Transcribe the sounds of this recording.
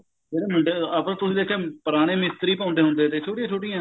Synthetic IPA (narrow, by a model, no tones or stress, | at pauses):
d͡ʒeːɾeːməɳɖeapɾt̪ʊsĩːd̪eːkʰẽːpəɾaːɽ̃eːmɪst̪əɾiːpãːʊ̃nd̪eːɦʊ̃nd̪eːt̪eːt͡ʃʰoːʈijãːt͡ʃʰoːʈijãː